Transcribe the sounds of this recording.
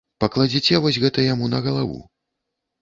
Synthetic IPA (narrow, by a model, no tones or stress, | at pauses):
pɐklˠad͡zʲit͡sʲɛvɔsʲɣɛt̪ɐjamunɐɣɐlˠavṵ